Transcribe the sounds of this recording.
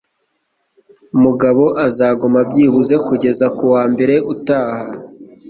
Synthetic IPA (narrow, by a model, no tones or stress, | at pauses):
umuɡaβo̞ʔazaːɡumabɟiːβuze̞kuɟe̞zakuwaːmbe̞ɾe̞ʔutaːha